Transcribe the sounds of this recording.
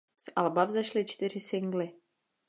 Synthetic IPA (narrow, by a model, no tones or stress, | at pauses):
sʔalbavzɛʃlɪt͡ʃt̪ɪr̝ɪsɪŋɡlɪ